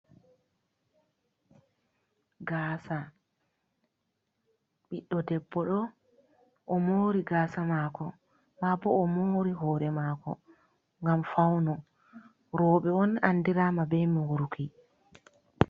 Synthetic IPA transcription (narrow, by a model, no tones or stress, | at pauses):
ɡaːsa | ɓiɗːɔdɛbːɔɗɔ | ʔɔmoːɾiɡaːsamaːkɔ | ɓabɔːmoːɾiɦɔːɾɛmaːkɔ̰ | ŋɡamfawnɔ | ɾɔːɓɛɔnandiɾaːmabɛmiwuɾukʰi